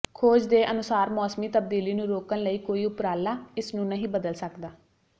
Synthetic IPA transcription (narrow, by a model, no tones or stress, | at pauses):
kʰoːd͡ʒd̪eːʔənʊsaːɾmɔːsmiːt̪əbd̪iːliːnũːɾoːkənləiːkoːiːʊpɾaːlaːɪsnũːnəɦĩːbəd̪əlsəkd̪aː